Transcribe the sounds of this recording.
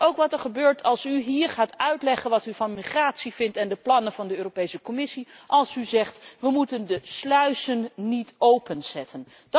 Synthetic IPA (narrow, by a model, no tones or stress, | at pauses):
owkʋɑtɛɹχəbøːɹtʰɑlˠsyɦiːɹχaːtœɥtlɛχənʋɑtyvɑnmiχraːtsivɪntɛndəplɑnənvɑndəøːropejsəkomɪsiʔɑlˠsyzɛχtʋəmutəndəslœɥsənːitowpənz̥ɛtʰən | d